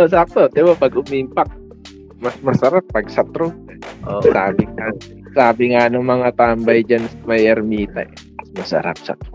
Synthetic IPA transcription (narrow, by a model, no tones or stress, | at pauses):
əs̬ap̚t̪ot̪ewapaɡumimpak̚ | masmasaɾapːaɡisat̪ɾuɔsabɪŋa | sabɪŋanəmaŋat̪ambaid͡ʒansmajɛrmit̪a̰ | asmasa̰ɾa̰p̚sa̰t̪̚u